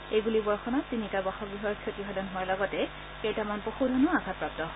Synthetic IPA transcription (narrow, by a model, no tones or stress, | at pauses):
ejɡulibɔɹxɔnɔsinitabaxɔɡɹiɦɔɹkʰotiɦadɔnɦʊwalɔɡɔtɛ | kejtamanpoxudʱɔnɔakapɹap̚tɔ